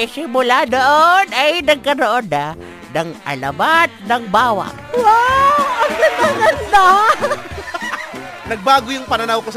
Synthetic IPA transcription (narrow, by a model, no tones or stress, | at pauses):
ɛsɪmʊlad̪oʔonʔɐjnɐɡ̚kɐnoʔod̪a | nɐŋʔɐ̰lɐ̰bat̪̚nɐŋbaːwa̰ʔ | waɐŋɡɐnanɐnd̪a | nɐɡ̚baːɡojʊŋpɐnɐnawkos